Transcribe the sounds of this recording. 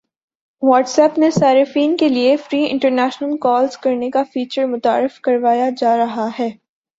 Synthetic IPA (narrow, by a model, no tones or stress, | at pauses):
ʋɔːʈsɛːpnesaːɾɪfiːnkeliefɾiːɪ̰̃ɳʈəɾnɛːʃnəlkɔːlzkɐɾnekafiːt͡ʃəɾmʊt̪a̰ːɾɪfkɐɾʋaːjad͡ʒaːɾɐɦaɦɛː